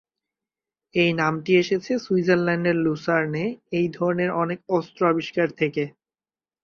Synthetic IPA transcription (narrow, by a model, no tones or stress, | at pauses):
ejnamʈieʃet͡ɕʰesuid͡ʑenlaɳɖeɾlusaɾneejd̪ʱɔɾoneɾɔnekɔst̪ɾoabiʃkaɾt̪ʰeke